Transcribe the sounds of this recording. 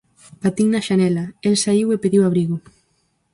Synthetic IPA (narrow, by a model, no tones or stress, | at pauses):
pat̪iŋnɐʃanɛlaelsaiwepeðiwaβɾiɣʊ